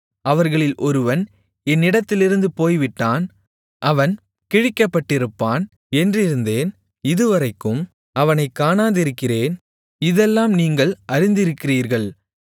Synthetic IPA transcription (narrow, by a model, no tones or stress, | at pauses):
ʔɐʋɐɾɣɐɭɪlʔɔɾɯʋɐn | ɛnːɪɽɐt̪ːɪlɪɾɯnd̪ɯpoːjʋɪʈːaːn | ʔɐʋɐn | kɪɻɪkːɐpːɐʈːɪɾɯpːaːn | ɛndrɪɾɯnd̪eːn | ɪðɯʋɐrɐɪkːɯm | ɐʋɐnɐɪkːaːnaːðɪɾɯkːɪreːn | ɪðɛlːaːmniːŋɡɐɭʔɐɾɪnd̪ɪɾɯkːɪriːɾɣɐɭ